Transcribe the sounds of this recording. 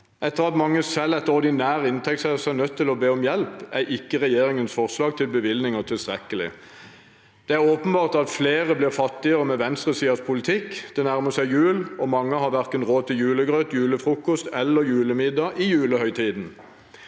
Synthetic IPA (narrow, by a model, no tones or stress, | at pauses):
ɛt̪ːəʁɑt̪mɑŋːəsɛlɛt̪ɔʁd̪ɪnæːʁəɪnt̪ʰɛksɛsɛnœt̪ʰːɪlɔbeːɔmjɛlpæʔɪkːəʁɛjeːɾɪŋənsfɔʁslɑːɡ̚t̪ʰɪlbəʋɪlnɪŋət̪ʰɪlst̪ʁɛkəlɪ̰ | d̪̥ɛæʁoːpənbɑːʁt̪ɑt̪fleːʁəblɪːʁfɑt̪ːɪəʁəmɛʋɛnst̪ʁəsiːɑspʰʊlɪt̪ʰɪkːd̪ɛnæʁməsæɪjʉːlɔmɑŋːəhɑʁʋæʁkənʁoːt̪ɪjʉːləɡʁøːt̪jʉːləfʁuːkɔst̪ɛlːəjʉːləmɪd̪ɑʔɪjʉːləhœʏt̪ʰiːd̪n̩